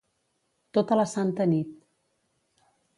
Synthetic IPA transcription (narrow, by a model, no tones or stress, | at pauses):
t̪ot̪ələsant̪ənit̪̚